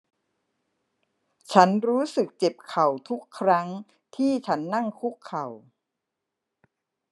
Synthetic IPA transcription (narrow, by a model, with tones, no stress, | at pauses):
t͡ɕʰa˦˥nɾuː˦˥sɯ˨˩k̚t͡ɕe˨˩p̚kʰa˨˩wt̪ʰu˦˥kʰːɾa˦˥ŋ | t̪ʰiː˥˩t͡ɕʰa˦˥nːa˥˩ŋkʰu˦˥kʰːa˨˩w